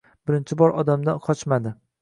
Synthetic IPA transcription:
b̥ɪɾɪnt͡ʃʰɪbɒɾʔɒd̪amd̪anqʰɒt͡ʃmad̪ɪ

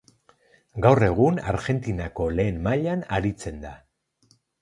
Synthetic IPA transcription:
ɡawre̞ɣ̞unaɾʝe̞nt̪inako̞le̞ːmmaʎanaɾit͡se̞nd̪a

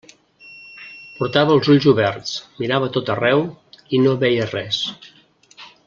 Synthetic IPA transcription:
puɾt̪aβəːlˠzuʎzuβɛɾt̪t͡smiɾaβət̪ot̪ərɛwinoβɛjərɛs

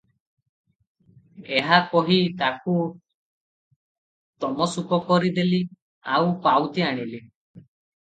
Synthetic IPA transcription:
eɦakɔɦit̪aku | t̪ɔmɔsukɔkɔɾid̪eli | awpawt̪iaɽ̃ili

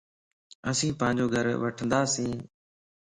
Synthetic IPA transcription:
əsĩːpãːɲd͡ʒoːɡʱəɾʋəʈʰə̃nd̪aːsĩː

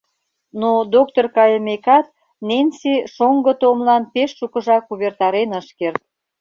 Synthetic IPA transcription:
nod̪ok̚t̪orkɑjəmekɑt̪̚ | nenʲsiʃoŋɡə̆t̪omlɑnpeʃːukə̆ʒɑkuβert̪ɑɾenəʃkert̪̚

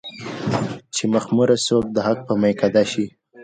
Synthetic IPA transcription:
t͡ʃemaxmuɾasok̚d̪əhak̚pəmajkad̪aʃi

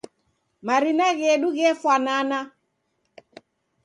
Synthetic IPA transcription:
maɾinaɣɛɗuɣɛfwanana

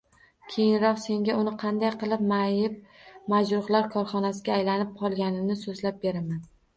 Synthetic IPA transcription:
kʲʰe̞jɪnɾɒqse̞ŋɡʲaʊnɪqʰɑnd̪ajqʰɨlˠɪp̚majɪp̚mad͡ʒɾʊχlˠaɾkʰɒɾχɒnasɪɡʲaːjlanɪp̚qʰɒlˠɡʲanɪnɪsozlap̚be̞ɾaman

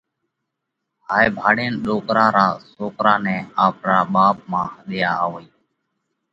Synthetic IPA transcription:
haːeːbʱaːɽeːnɗoːkɾaːɾaːsoːkɾaːnɛːaːpɾaːɓaːp̚mãːəɗɪjaːaːʋoiː

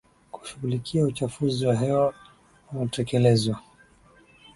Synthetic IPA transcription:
ku̥ʃuɣulikʰiaut͡ʃafuziwaɦɛwa | uutɛkɛlɛzwa

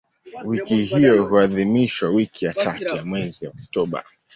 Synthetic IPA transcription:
wikihijɔhuaðimiʃwawikʰijatatujamwɛziɔk̚tɔɓa̰

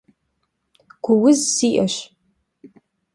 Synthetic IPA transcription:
ɡ̥ʷʊwʊzsiːʔɐɕ

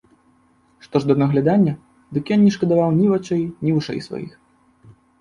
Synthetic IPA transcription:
ʂt̪ɔʐd̪ɐnɐɣlʲad̪anʲːɐ | d̪ɨkjɔnnʲiʂkɐd̪avawnʲivat͡ʂɛjnʲivɨʂɛ̰jsva̰jḭx

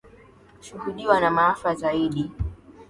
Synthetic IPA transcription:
ʃuhuɗiwanamaafazaiɗi

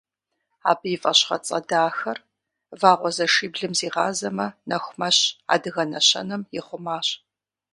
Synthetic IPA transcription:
a̰ːbɨjɪfʼɐɕχɐ̰t͡sʼɐ̰daːxɐr | vaːʁʷɔzɐʂiːbɮɨmziːʁɑːzɐmɐnɐxʷʊmɐɕa̰ːdɨɣɐnɐɕɐ̰nɐmjɪχʷʊmaːɕ

